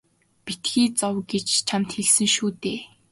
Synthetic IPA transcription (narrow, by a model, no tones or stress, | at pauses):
pit̪ɡiːt͡sɔwɡet͡ɕt͡ɕʰamt̪xeɮsɘ̆ŋʃuːt̪eː